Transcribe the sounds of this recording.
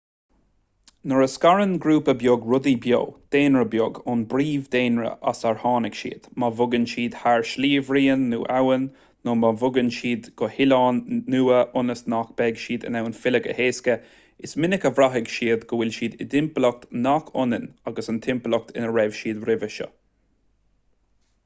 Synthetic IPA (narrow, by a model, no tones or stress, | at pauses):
nəɹəskaɹənɡɾuːpəbjoɡɹʊd̪ibjo̰ːd̪̥eːnɹəbjoɡʊnbɾiːvd̪eːnɹə̰ʔa̰saɹhɑːnɪɡʃḭːd̪̥mavʊɡənʃiːd̪̥haɹʃliːvɹiːənːṵːʔawənː | omavʊɡənʃiːd̪ɡ̥ɔhɪlɑːnːuːəʔʊnəsnak̚b̥ɛɡʃiːd̪ə̰nawənfɪləɡə̰heːskə | ɪsmɪnɪkəvɾaɦɪɡʃiːəd̪ɡəwɪlʃiːd̪ɪd̪ɪmpəlɔk̚t̪nakʰʊnənaɡəsənt̪ʰɪmplɔk̚t̪ʰɪnəɹɛv̥ʃiːd̪ɾɪvəʃɔ̰